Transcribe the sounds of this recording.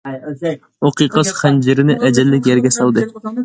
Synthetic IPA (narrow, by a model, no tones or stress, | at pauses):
oqijqɑsχɛnd͡ʒɪɾɪnɪʔɛd͡ʒɛlːɪk̬ʲjɛɾɡʲɛsɑlˠd̪ɨ